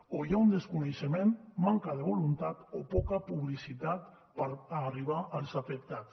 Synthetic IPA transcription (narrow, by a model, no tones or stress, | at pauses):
ojaund̪eskuneʃemenmaŋkað̞eβolunt̪at̪opɔkapuβ̞lisit̪at̪ | paɾariβ̞aʔalsafek̚t̪at̪s